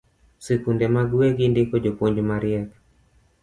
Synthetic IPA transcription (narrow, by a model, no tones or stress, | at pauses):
sikundɛmaɡweɡindɪkɔd͡ʒopoɲd͡ʒomaɾjɛk